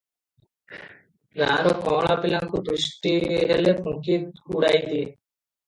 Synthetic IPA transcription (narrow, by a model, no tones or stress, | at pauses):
ɡaɾokɔ̃ːɭapilaŋkud̪ɾuʃʈiɾelepũkiuɽajd̪ie